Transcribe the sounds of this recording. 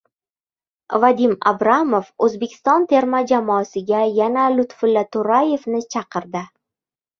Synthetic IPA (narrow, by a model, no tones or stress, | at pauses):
vad̪ima̰bɾamofɵzbe̞kʲʰɪ̥st̪ɒnt̪ʰe̞ɾmad͡ʒamɒːsɪɡʲajanalʊt̪fɪlːat̪ʊɾaje̞vnɪt͡ʃʰɑqɨɾd̪ɪ